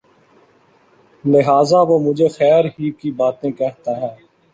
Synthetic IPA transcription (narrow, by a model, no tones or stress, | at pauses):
lɪɦaːzaːʋoːmʊd͡ʒʱeːxɛːɾɦiːkiːbaːt̪ẽːkɛɦt̪aːɦɛː